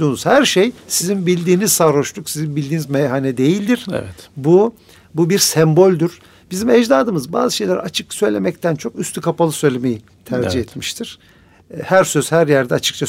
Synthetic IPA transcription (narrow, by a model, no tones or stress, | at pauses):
uːnuz̥hæɾʃejsizinbilʲd̪iːniz̥saːɾoʃlˠuksizinbilʲd̪iːnizmɛjɦanɛd̪e̞jilʲd̪iɾ̥ɛ̰vɛt̪bu | bubiɾsɛmbo̞lʲd̪uɾ̥ | bizimɛd͡ʒd̪aːd̪ɯmɯzba̰ːzɯʃe̞jlʲɛɾ̰at͡ʃʰɯksø̞jlʲemɛct̪ʰænt͡ʃʰo̞kyst̪ʰykʰapalˠɯsø̞jlʲeme̞ji | t̪ʰæɾd͡ʒihɛt̪miʃt̪ʰiɾ̥ | hæɾsøz̥hæɾjæɾd̪ɛat͡ʃʰɯ̥k̚t͡ʃʰa